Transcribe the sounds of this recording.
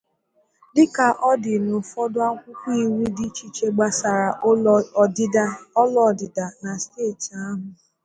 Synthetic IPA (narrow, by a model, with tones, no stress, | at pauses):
dɪ˦ka˨ʔɔ˦dɪ˨no˨fɔ˦dʊ˦a˦kʷʊ˦kʷi˦i˦˨wi˦dɪ˦t͡ʃi˦t͡ʃe˦ɡ͡ba˦sa˨ɾa˨˦ | ɔ˦lɔ˦˨dɪ˨da˨na˨steː˦˨ti˨a˦ɦʊ˨